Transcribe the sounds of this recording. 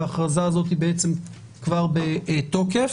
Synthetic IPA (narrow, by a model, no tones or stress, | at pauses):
aχʁazaːzo̞t̪ibeet͡se̞m | kvaʁbeʔto̞ke̞f